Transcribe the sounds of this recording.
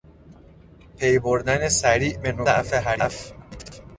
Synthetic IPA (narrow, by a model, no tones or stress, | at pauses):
pʰejboɾd̪ænesæɾiːʔbenoæʔfeɦæɾʔf